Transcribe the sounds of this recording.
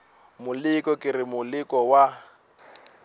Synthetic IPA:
mʊlɪkʼɔkʼɪrɪmʊlɪkʼɔwa

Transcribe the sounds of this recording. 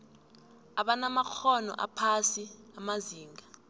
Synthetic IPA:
aɓanamak͡xʰɔnɔ̰ʔa̰pʰasiamaziːŋɡʱa

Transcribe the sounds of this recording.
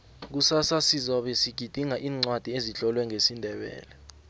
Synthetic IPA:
k̬usasasizɔɓɛsiɡ̥ʱid̥ʱiŋaʔiːŋ͡ǀwad̥ʱieziɬɔlwɛŋʱesindʱɛɓɛ̰ːlɛ

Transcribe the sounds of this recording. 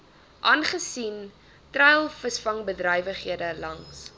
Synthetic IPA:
ʔɑːnχəsin | trɛjlˠfəsfɐŋbədrœjvəχɦiədəlɐŋs

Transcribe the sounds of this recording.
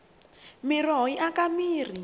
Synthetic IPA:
mirɔiʔakamiːr̤i

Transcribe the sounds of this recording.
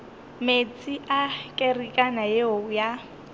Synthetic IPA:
met͡sʼiʔakʼerikʼanajeoja

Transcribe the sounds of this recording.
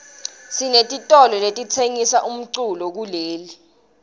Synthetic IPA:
sinetʼitʼɔlɔletʼit͡sʰeŋisaʔum̩ǀulɔk̬uleːli

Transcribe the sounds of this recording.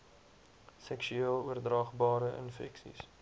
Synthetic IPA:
sɛkʃyiːlˠuərdrɑːχbɑːɾəʔə̰nfɛ̰ksḭs

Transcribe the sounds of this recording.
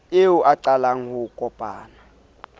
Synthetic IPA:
ɪʊʔaǀalaŋ̩hʊkʼɔpʼaːna

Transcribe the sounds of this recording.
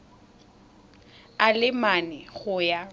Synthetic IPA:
alɪmanɛɣʊja

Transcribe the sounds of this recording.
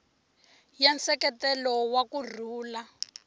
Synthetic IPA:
jansɛkɛtɛlɔwakur̤uːla

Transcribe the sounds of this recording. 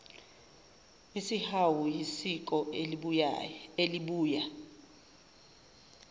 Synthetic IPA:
isihawujisik̬ʼɔ | eliɓuːja

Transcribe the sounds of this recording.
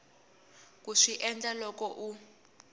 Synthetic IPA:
k̬uʂiʔɛnd͡ɮʼalɔkɔʔu

